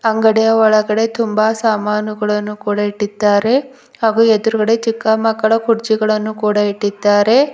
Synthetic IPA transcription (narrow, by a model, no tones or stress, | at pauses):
ɐŋɡɐɽijɐɔɭɐɡɐɽe̞t̪umbaːsaːmaːnuɡɐɭɐnːukuːɽɐiʈːid̪ːaːɾe̞ | haːɡuːed̪uɾuɡɐɽe̞t͡ʃikːɐmɐkːɐɭɐkuɾt͡ʃiɡɐɭɐnːukuːɽɐiʈːid̪ːaːɾe̞